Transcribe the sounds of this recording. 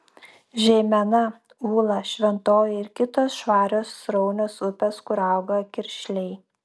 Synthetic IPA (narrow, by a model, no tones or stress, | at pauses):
ʒʲɛɪmʲɛnɐ | uːlˠɐʃʲʋʲɛnt̪oːjɪɾkʲɪt̪oːsʃʋɑːɾʲoːsɾɔʊnʲoːsʊpʲeskʊɾɐˑʊɡokʲɪɾʲʃʲlʲɛɪ